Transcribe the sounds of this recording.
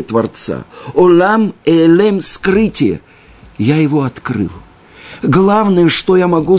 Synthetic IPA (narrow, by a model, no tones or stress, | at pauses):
ət̪vɐrt̪sa̰olʲamɛlʲɛmskrɨtʲɪjə̰ | jajɪvoɐt̪kɾɨ̰lˠ | ɡlˠavnəjəʂt̪ojamɐɡu